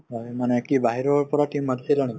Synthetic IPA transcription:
ɦɔjmanɛkibaɦiɹɔpɔɹatimːati̥silɔnɛ

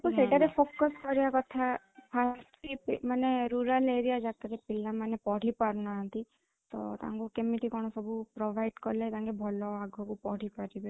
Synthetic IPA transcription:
ekuseʈaɾepʰokɔskɔɾiakɔt̪ʰa | pʰasipmaneɾuɾaleɾiad͡ʒakaɾepilːamanepɔɽ̤ipaɾnaɦɔ̃nt̪i | t̪ɔ̰t̪a̰ŋkukemiʈikɔɽ̃ɔsɔbʱupɾɔbʱajɖkɔɾlet̪ãŋkebʱɔlɔaɡʱɔkupɔɽ̤ipaɾibe

